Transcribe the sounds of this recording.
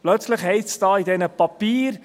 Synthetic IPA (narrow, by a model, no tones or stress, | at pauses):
plœt͡slɪχhɛɪsd̥ɑːidɛnəpɑpiːɾ